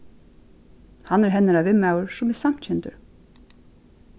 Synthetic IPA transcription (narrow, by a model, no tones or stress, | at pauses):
hanːɛɾɦɛnːaɾavɪmːawɹsʊmɪðsam̥t̪t͡ɕʰɛnt̪ʏ̰ɹ